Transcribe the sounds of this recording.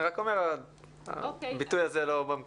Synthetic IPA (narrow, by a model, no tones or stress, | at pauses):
ʁakome̞ʁa | a̰bit̪ujazelobam